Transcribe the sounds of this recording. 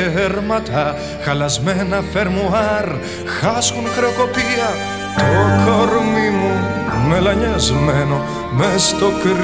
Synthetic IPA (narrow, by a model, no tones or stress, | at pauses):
eɾmɐt̪ʰɐ | xɐlɐzmenɐfe̞ɾmuɐɾ | xɐskunxɾeoko̞piɐ | t̪okoɾmimume̞lɐɲɐzmeno̞ | mest̪o̞kɾ